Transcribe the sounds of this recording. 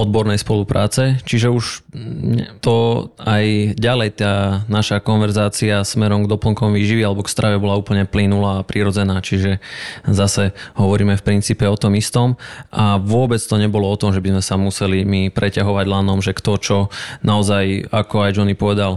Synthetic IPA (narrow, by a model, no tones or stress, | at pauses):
ɔd̪̚bɔɾnɛjspɔlupɾaːt͡sɛt͡ʃiʒɛuʃɲɛt̪ɔajɟalɛjt̪aːnaʃakɔnʋɛɾzaːt͡siasmɛɾɔmɡd̪ɔpl̩ŋkɔmʋiːʒiʋialɛbɔkst̪ɾʔaʋɛbɔlauːpl̩ɲɛplinulaːpɾiɾɔd͡zɛnaːt͡ʃiʒɛzasɛɦɔʋɔɾiːmɛfpɾint͡siːpɛɔt̪ɔmist̪ɔmʔaʋʊɔbɛt͡st̪ɔɲɛbɔlɔɔt̪ɔmʒɛbizmɛsamusɛlimipɾɛcaɦɔʋaɟlaːnɔmʒɛkt̪ɔt͡ʃɔnaɔzajakɔajd͡ʒɔnipɔʋɛd̪al